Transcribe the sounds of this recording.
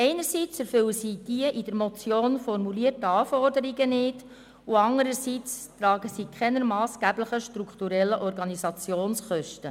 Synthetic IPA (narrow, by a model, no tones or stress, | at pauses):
ɛɪnəɾsit͡sɛɾfʏwəsiːd̥iəʔid̥əɾmɔt͡sjoːnfɔɾmuliərtːəɑːfɔrdəɾiɡənɪːd | uɑndəɾəsit͡stɾɑːɡəsiːkʰχɛnəɾmɑːsɡ̥æbləχəʃtɾukχtuɾɛlːəʔɔɾɡɑnizɑt͡sjoːnsχœʃtə